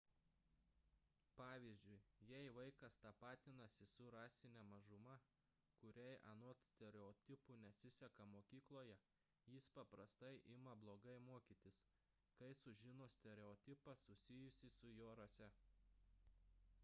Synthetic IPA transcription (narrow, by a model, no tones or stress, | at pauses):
pɑːʋʲiːzʲd͡ʒʲʊɪjɛɪʋɐɪkɐst̪ɑpɑːt̪ʲɪnɐsʲɪsʊɾɑːsʲɪnʲɛmɐʒʊmɐ | kʊɾʲɛɪʔɐnot̪sʲt̪ʲɛɾʲɛɔt̪ʲɪpʊnʲɛsʲɪsʲɛkɐmoːkʲiːklˠoːjɛ | jɪspɐpɾɐst̪ɐɪʔɪmɐblˠoːɡɐɪmuɔkʲiːˑt̪ʲɪs | kɐɪsʊʒʲɪnoːsʲt̪ʲɛɾʲɛɔt̪ʲɪpɐsʊsʲɪjʊsʲiːsʊjoːɾɐsʲɛ